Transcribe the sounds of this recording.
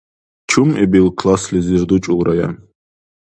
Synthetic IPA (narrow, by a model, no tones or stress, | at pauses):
t͡ʃʰumɛbilkʰlˠaslʲiziɾd̪ut͡ʃʼulɾaja̰n